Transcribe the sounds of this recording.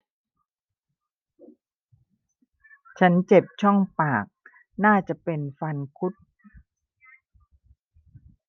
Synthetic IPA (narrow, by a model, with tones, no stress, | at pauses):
t͡ɕʰa˦˥nt͡ɕe˨˩p̚t͡ɕʰɔ˥˩ŋpaː˨˩k̚ | naː˥˩t͡ɕa˨˩ʔpe˧nfa˧nkʰu˦˥t̪̚